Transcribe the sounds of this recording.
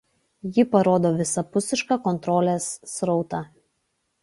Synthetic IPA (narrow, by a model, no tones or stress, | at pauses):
jɪpɐɾoːd̪oːʋʲɪsɐpʊsʲɪʃkɑːkɔnt̪ɾɔːlʲeːsːɾɔʊt̪ɑː